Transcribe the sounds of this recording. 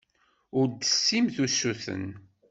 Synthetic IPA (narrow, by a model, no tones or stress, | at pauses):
ʊɾd̪əsːimθusːuθə̰n